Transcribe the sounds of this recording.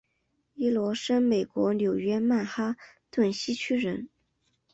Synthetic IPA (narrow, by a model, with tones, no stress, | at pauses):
i˥lwɔ˧˥ʂə˥nme˨˩ɪkwɔ˧˥ljo˨˩ʊɥɛ˥ma˥˩nxa˥ | t̪wə˥˩nɕi˥t͡ɕʰy˥ɻə˧˥n